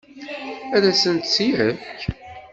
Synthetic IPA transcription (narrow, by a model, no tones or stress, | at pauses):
æðæsənt̪siʕəç